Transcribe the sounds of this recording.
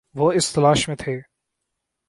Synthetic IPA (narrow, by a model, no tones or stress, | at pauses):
ʋoɪst̪ɐlaːʃmẽt̪ʰeː